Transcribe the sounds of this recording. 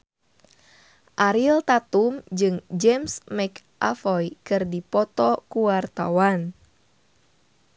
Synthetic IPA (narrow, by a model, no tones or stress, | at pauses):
ʔaɾilt̪at̪umd͡ʒɨŋd͡ʒɛmsmɛkʔa̰fɔjkɨrdipɔt̪ɔkuwart̪a̰wan